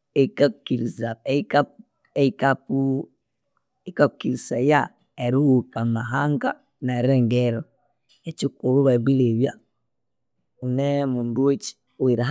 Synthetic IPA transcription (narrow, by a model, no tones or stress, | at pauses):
ekakukiɾizaeka | ekapu | ekakukiɾisaja | eɾiwukamaɦaŋɡa | naɾeŋɡeɾo | et͡ʃikoluβaβileβja | unemundwet͡ʃi̥ | oiɾaɦ